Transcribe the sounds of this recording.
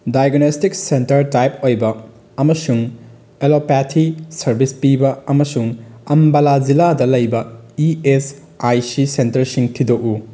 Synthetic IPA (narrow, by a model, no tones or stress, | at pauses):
dajɡnestik̚sentɐɾtajpojbɐː | mɐsuŋ | elopatʰisɐɾbispibɐɐmɐsuŋɐmbɐlad͡ʒiladɐlɐjbɐies | ajsisentɐɾsiŋtʰidoʔu